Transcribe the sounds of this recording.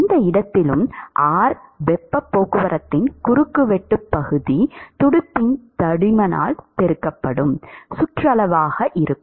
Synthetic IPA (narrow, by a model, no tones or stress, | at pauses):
ɪnd̪ɐɪɽɐt̪ːɪlɯmʔaːɾʋɛpːɐpːoːkɯʋɐɾɐt̪ːɪnkʊɾɯkːɯʋɛʈːɯpːɐɣɯðit̪ʊɽɯpːɪnt̪ɐɽɪmɐna̰ːlt̪ɛɾɯkːɐpːɐɽɯmsʊʈrɐlɐʋaːɣɐʔɪɾɯkːɯm